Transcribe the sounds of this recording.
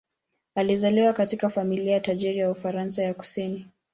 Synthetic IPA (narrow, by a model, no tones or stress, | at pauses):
alizaliwakatikafamiliajataʄiɾijaufaɾansajaku̥sini